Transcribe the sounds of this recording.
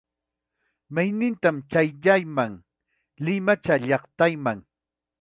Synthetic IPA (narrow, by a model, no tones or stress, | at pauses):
majnɪnt̪amt͡ʃajʎajmaŋ | lɪmat͡ʃaʎɑχt̪ajmaŋ